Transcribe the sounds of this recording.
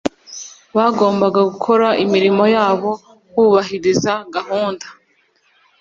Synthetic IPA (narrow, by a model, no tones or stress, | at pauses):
βaɡo̞ːmbaɡaɡukʰo̞ɾaʔimiɾimo̞jaːβo̞ | wuːβaɦiɾizaɡaɦuːndḁ